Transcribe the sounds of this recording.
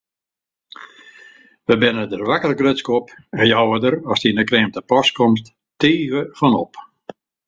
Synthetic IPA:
ʋəbɪnədərʋakəlɡrøskɔpɛnjɔwʋədəɾɔsdindəkreːmtəpɔskɔmst | tiːɣəfɔnɔ̰p

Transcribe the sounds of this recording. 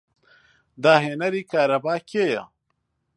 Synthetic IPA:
d̪aːɦenɐɾiːkaːɾɐbaːkeja̰

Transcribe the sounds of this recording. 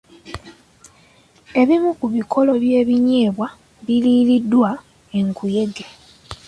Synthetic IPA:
e̞βimukuβikʰo̞lo̞βje̞ːβiɲe̞ːβwa | βiliːlidːwa | e̞ŋkʰuje̞ɡe

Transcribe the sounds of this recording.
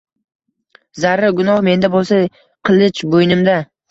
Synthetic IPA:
zaɾaɡʊnɒhme̞nd̪abolˠsa | qʰɨlˠɪt͡ʃbojnɪmd̪a

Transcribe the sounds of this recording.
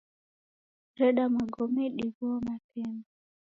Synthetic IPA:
ɾɛɗamaɡɔmɛɗiβuɔmatɛma

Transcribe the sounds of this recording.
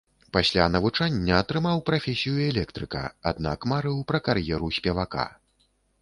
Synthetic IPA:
pasʲlʲanɐvut͡ʂanʲːɐːt̪ɾɨmawpɾafʲesʲijuɛlʲɛkt̪ɾɨkɐ̰a̰d̪na̰kmaɾɨwpɾɐkarjɛɾusʲpʲɛvaka̰

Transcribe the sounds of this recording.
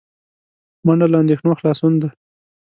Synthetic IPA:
maɳalɑnd̪exnoxlɑsund̪a

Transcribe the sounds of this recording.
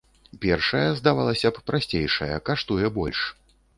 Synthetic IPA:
pʲɛrʂɐjɐzd̪avalˠɐsʲɐppɾʔasʲt͡sʲejʂɐjɐ̰kaʂt̪ujɛbɔlʲʂ

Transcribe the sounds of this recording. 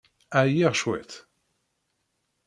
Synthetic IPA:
æjɛʁʃwɛ̰t̪

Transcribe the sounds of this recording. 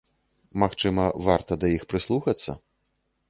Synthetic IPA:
maxt͡ʂɨmɐvart̪ɐd̪ɐjixpɾɨslˠuxɐt̪sːɐ̰

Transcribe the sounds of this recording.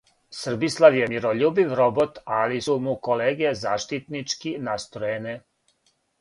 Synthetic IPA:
sr̩bislˠaʋjemiɾoʎuːbiʋɾobot̪alisumukoleːɡezaːʃt̪it̪nit͡ʃkinast̪ɾojene

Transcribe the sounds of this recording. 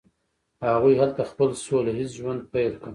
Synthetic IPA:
haɣujhalt̪axpəlsolaɦis̬ʒwand̪̚pajlkə

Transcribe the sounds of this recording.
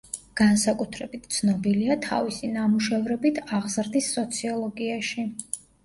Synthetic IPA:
ɡ̥ansakʼut̪ʰɾɛbit̪ʰt̪sʰnɔbiliat̪ʰa̰visinamuʃɛvɾɛbit̪ʰaʁzɾd̪isːɔt̪sʰiɔlˠɔɡiaʃi

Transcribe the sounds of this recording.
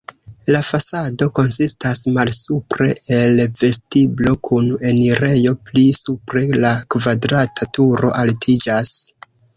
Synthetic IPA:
lafasado̞ko̞nsistasmalsupɾe̞̰ʔelve̞stiblo̞kʰune̞niɾe̞jo̞plisupɾe̞lakvadɾatʰatuɾo̞̰ʔaltʰid͡ʒas

